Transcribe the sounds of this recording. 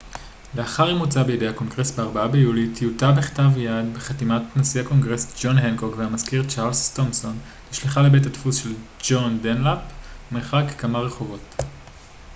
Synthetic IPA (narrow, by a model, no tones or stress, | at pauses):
le̞aχaʁimut͡sabejedehako̞ŋɡʁe̞sbeaʁbaabejulitʰijutabeχtavjadbeχatimatnasiako̞ŋɡʁesd͡ʒo̞nɦenko̞kvehamaskiʁt͡ʃaʁlstomso̞n | tiʃliχalebetatfusʃe̞ld͡ʒo̞ndenlapmeχakkamaʁe̞χo̞vo̞t